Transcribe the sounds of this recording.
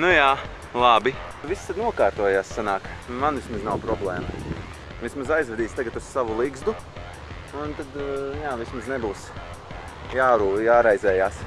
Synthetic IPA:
nujaː | lˠabi | ʋist̪ad̪nuɔkaːɾt̪uɔjaːssanaːkmanvismaznawpɾɔblˠɛːmɐ | ʋismazajzvʋɛd̪iːst̪aɡat̪ussaʋulˠiɡzd̪u | unt̪ad̪jaːʋismaznɛbuːs | jaːɾuːjaːɾajzɛːjaːs

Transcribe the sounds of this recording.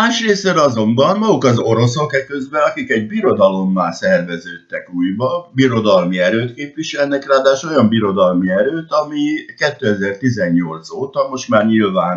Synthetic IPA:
aːʃreːsɛnɒzo̞mbɒnmɒɡukɒzo̞ɾo̞so̞kɛkøzbɛnɒkikɛɟbiɾo̞d̪ɒlo̞mːaːlsɛrvɛzøːt̪ːɛkuːjbɒbiɾo̞d̪ɒlmiɛɾøːt̪keːpvʋiʃɛlnɛkraːd̪aːʃo̞jɒmbiɾo̞d̪ɒlmiɛɾøːt̪ɒmikɛt̪ːøːɛzɛrt̪izɛɲːo̞lt̪soːt̪ɒmo̞ʃt̪maːrɲilvaːn

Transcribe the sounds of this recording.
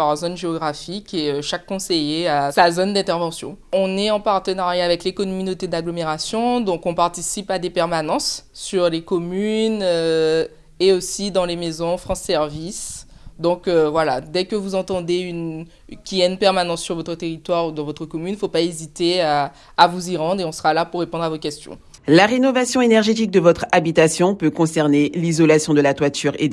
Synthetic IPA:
aʁzonʒeɔɡʁafikʲeøʃakːɔ̃sejeasazond̪ɛ̃t̪ɛʁvɑ̃sjɔ̰̃ɔ̃nɛɑ̃paʁt̪ənaʁjaːvɛklekɔnɔmynot̪ed̪aɡlɔmeʁasjɔ̃d̪ɔ̃kɔ̃paʁt̪isipad̪epɛʁmanɑ̃sːyʁlekɔmynø | eosid̪ɑ̃lemezɔ̃fχɑ̃sːɛʁvisd̪ɔ̃køvwala̰d̪ɛkəvuzɑ̃t̪ɑ̃d̪eyn | kʲiɛnpɛʁmanɑ̃sːyʁvɔt̪χət̪eʁit̪waʁud̪ɑ̃vɔt̪χəkɔmynfopaezit̪eaː | vuziʁɑ̃d̪ʁeɔ̃səʁalapuʁːepɔ̃d̪ʁavokʲɛst̪jɔ̰̃ | laʁenɔvasjɔ̃enɛʁʒet̪̬ik̚d̪əvɔt̪χabit̪asjɔ̃pøkɔ̃sɛʁnelizɔlasjɔ̃d̪əlat̪wat̪yʁe

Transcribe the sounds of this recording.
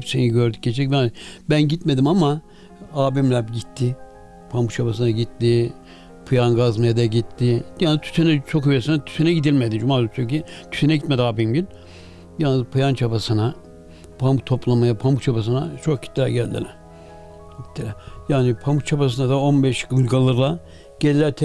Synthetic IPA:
hɛpseniɟøɾd̪yc̚ɟet͡ʃʰɛcbnbænɟit̪me̞d̪imama | aːbimlʲæɟit̪ʰːɪ | pʰamut͡ʃʰabas̬ɯnaɟit̪ːɪ | pʰɯjanɡazmajad̪aɟit̪ːɪjanzt̪ʰy̥senɛt͡ʃʰo̞kivesinat̪ʰy̥senɛɟid̪ilʲmed̪id͡ʒumaːsʰycit̪ʰysenɛɟit̪̚med̪iaːbimɟynʲ | janzpʰɯjant͡ʃʰabasɯna | pʰamut̪ʰo̞plˠamajapʰamut͡ʃʰapas̬ɯnat͡ʃʰok̚ʰi̥t̪ʲːlʲæɾɟælʲd̪ḭlʲɛ | ɟi̥t̪ʰːilʲɛjaːnipʰamut͡ʃʰapas̬ɯnad̪ao̞nbɛʃɡɯlɡalˠɯɾlˠa | ɟ̥elʲilʲæɾt̪ʰɛ

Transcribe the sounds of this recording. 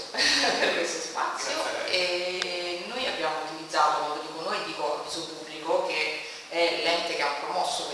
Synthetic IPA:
perkwest̪ospa̰t̪sːjoe | nːojabjaːmout̪ilid̪zaːt̪okwand̪od̪iːkonoːjd̪iːkopisopubːlikoke | ɛlːɛnt̪ekeapɾomɔsːo

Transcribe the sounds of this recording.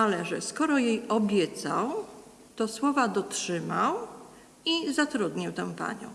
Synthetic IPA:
alɛʐɛskɔɾɔjejɔbʲjɛt̪sa̰w | t̪ɔswɔvad̪ɔtʂɘmaw | izat̪ɾud̪ɲiwt̪ɛ̃w̃pa̰ɲɔ̰̃w̃

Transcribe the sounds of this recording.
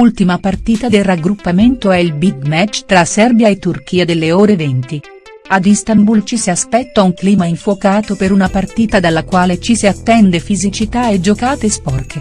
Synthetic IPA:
ult̪imapart̪iːt̪ad̪elraɡɾupːament̪oɛilbid̪mɛt͡ʃːt̪ɾasɛrbjaet̪ːurk̟iːad̪elːeoːɾevent̪i | ad̪ist̪ambult͡ʃisiaspɛt̪ːauŋkliːmaiɱfwokaːt̪opeɾunapart̪iːt̪ad̪alːakwaːlet͡ʃisiat̪ːɛnd̪efizit͡ʃit̪aed͡ʒokaːt̪espɔrke

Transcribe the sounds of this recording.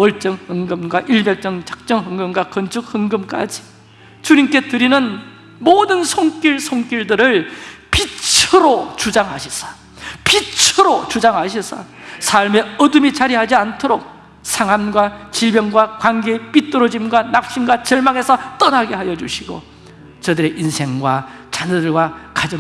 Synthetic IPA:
wʌɭt͡ɕ͈ʌŋhɯŋɡɯmɡwaʔiɭbjek̚t͡ɕ͈ʌŋt͡ɕḁk̚t͡ɕ͈ʌŋɦɯŋɡɯmɡwakʌnt͡ɕʰɯk̚hɯŋɡɯmk͈a̰d͡ʑi̥ | t͡ɕuɲimk͈e̞tɯɾinɯn | modɯnsʰoŋk͈jiɭsʰoŋk͈iɭdɯɾɯɭpit͡ɕʰɯɾot͡ɕud͡ʑaŋɦaɕʰisʰḁ | pit͡ɕʰɯɾot͡ɕud͡ʑaŋɦaɕ̬ʰisʰa̰sʰaɭme̞ʌdumit͡ɕaɾiɦad͡ʑiantʰoɾok̚ | sʰaŋɦamɡwat͡ɕiɭbjʌŋɡwakwanɡe̞p͈it͈ɯɾod͡ʑimɡwanap̚ɕ͈imɡwat͡ɕʌɭmaŋe̞sʰʌt͈ʌnɦaɡe̞ɦajʌd͡ʑuɕʰiɡo̰ | t͡ɕʌdɯɾe̞ʔinsʰe̞ŋɡwat͡ɕanʌdɯɭɡwakad͡ʑʌ

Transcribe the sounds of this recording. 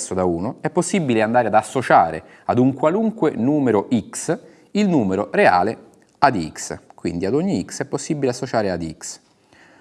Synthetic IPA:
sːod̪auːnoɛpːosːibːileand̪aːɾead̪asːot͡ʃaːɾḛ | ad̪uŋkwaluŋkwenuːmeɾoʔiks | ilnuːmeɾorea̰ːle | ad̪ḭkskwḭnd̪iad̪oɲːiiksɛpːosːibːileasːot͡ʃaːɾead̪ḭks

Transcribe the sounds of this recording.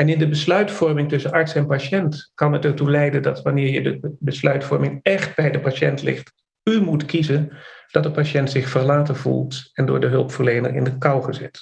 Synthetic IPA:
ɛnɪndəbəslœɥtfɔɹmɪŋtɵsənɑɹtsɛnpaʃɛntkɑnətɛɹtulɛjdəndɑtʋɑnɪːɹjədə̰bəslœɥtfɔɹmɪŋɛχt̚bɛjdəpaʃɛ̰ntlɪ̰χt | ymutkizənd̥ɑtdəpaʃɛntsɪχfərlaːtənvṵlˠtɛndʊ̰ːɹdəɦɵlˠpfəɹlejnə̰rɪ̰ndəkɑwχəzɛ̰t

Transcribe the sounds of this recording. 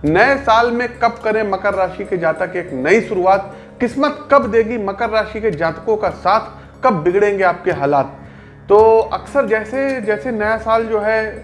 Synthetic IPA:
nɐesaːlmẽkɐb̚kɐɾẽmɐkəɾːaːʃiked͡ʒaːt̪əkeːknɐiʃʊɾuaːt̪̚ | kɪsmət̪kɐbd̪eːɡimɐkəɾːaːʃiked͡ʒaːt̪kõkasaːt̪ʰ | kɐbːɪɡɽẽːŋɡeaːp̚keɦaːlaːt̪̚ː | oːɐksəɾd͡ʒɛːsed͡ʒɛːsenɐjasaːld͡ʒoːɦɛ

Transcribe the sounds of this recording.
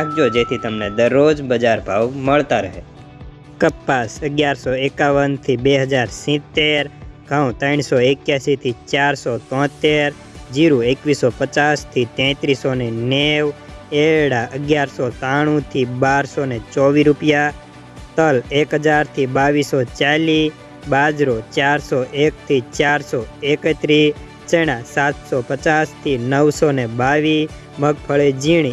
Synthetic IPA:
ak̚d͡ʒod͡ʒet̪ʰit̪əmned̪əɾːod͡ʒbəd͡ʒaɾpaʋməɭt̪aɾəɦe | kəpːasəɡjaɾsoekaʋənt̪ʰibeɦəd͡ʒaɾsĩt̪ːeɾɡʱə̃w̃t̪əɳ̃soekjasit̪ʰit͡ʃaɾsot̪ɔ̃t̪ːeɾ | d͡ʒiɾuekʋisopət͡ʃast̪ʰit̪ɛ̃t̪ɾisoneneʋ | eɽaʔəɡjaɾsɔt̪aɽ̃ũt̪ʰibaɾsonet͡ʃɔʋiɾupja | t̪əlekɦəd͡ʒaɾt̪ʰibaʋisɔt͡ʃali | bad͡ʒɾot͡ʃaɾsɔʔek̚t̪ʰit͡ʃaɾsɔekət̪ɾi | t͡ʃeɽ̃ãsat̪sɔpət͡ʃast̪ʰinəʋsɔnebaʋi | məɡ̚pʰəɭed͡ʒiɳ̃i

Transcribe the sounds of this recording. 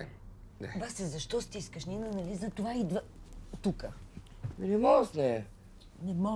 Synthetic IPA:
basɛzɐʃt̪ɔst̪iskəʃninɐnɐlizɐt̪ovaid̪və | t̪ukə | minɛmɔsnɛ | nɛmɔ

